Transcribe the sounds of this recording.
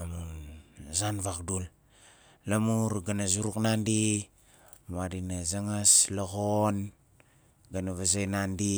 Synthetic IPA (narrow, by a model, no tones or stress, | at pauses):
amu | zanvakdul | lamuɾɡanazuɾuknandi | muadinazaŋaslaɣon | ɡanaβazajnandi